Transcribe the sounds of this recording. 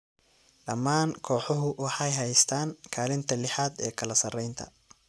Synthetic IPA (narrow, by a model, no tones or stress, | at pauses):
ɖɐmːaːŋkʰɔːħɔɦʊwɑħɑjɦɛjst̪ʰaːŋkʰaːlɪnt̪ʰɐlɪħaːd̪ɛ̰ːkʰɐlɐsɐrɛjnt̪ʰɐ̰